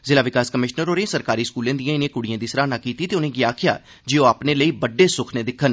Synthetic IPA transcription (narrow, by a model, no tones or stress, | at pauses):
zɪlaːʋɪkaːskəmɪʃnəɾoːɾẽsəɾkaːɾiːskuːlãːd̪ijãːɪnẽːkʊɽijãːd̪iːsɾaːnaːkiːt̪iːt̪eːʊnẽːɡɪaːkʰɪja̰ː | d͡ʒeːoːaːpneːləiːbəɖːeːsʊkʰneːd̪ɪkʰːən